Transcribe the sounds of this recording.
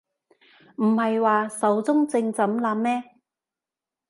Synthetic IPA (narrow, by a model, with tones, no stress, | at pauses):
m̩˨˩hɐ˨jwaː˨sɐ˨˥wt͡sʊ˥ŋt͡sɪ˧ŋt͡sɐ˨˥mlaː˨˥mmɛː˥